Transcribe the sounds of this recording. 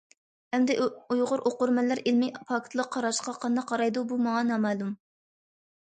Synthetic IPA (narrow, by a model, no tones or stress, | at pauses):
hɛmd̪ɪujʁʊɾʔoqʊɾmɛlːæɾilmipʰɑkʰt̪ʰlˠəq̚ʰːɑɾɑʃqɑqʰɑnd̪ɑqʰːɑɾɑjd̪ubumɑŋɑnɑːmɑːlˠum